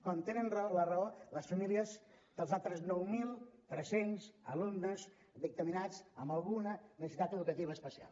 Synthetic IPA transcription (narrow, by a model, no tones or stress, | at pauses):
kwant̪enənrəolərəoləsfəmiliəz | d̪̥əlˠzalˠt̪ɾəznɔwmilˠt̪ɾɛsenzəlumnəz | ðik̚t̪əminat͡səmbəlˠɣunənəsəsit̪at̪əðukət̪iβəːspəsia̰lˠ